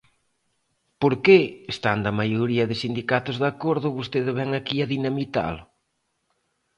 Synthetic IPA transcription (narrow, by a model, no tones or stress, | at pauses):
poɾkeest̪and̪ɐmajoɾiɐðɪsind̪ikat̪ʊzðakoɾðʊβost̪eðeβɛŋakiɐðinamit̪a̰lʊ